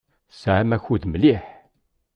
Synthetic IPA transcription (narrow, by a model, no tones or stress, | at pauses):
sʕæmæçuðməliħ